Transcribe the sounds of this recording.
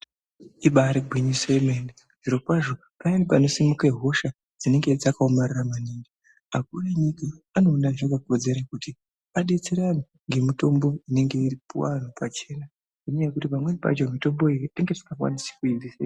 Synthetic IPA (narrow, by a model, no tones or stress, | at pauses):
iɓaɾeɡʱwiɲisoeme̞nde | ʐiɾo̞kwaʐo | painipano̞simukeɦo̞ʃa | d͡zine̞ŋɡe̞d͡zakaomariramaniːŋɡi | ak̚ureɲikaano̞ːnaʐokakod͡ze̞ɾakuti | aɗit͡siɾani | ŋɡe̞mito̞mbo̞ine̞ŋɡe̞iripuwa̰n̤upat͡ʃe̞ːna | niɲajekutipamwenipa̰d͡ʒomito̞mbo̞iɗiŋɡeti̥kakwa̰nisi̥kuidise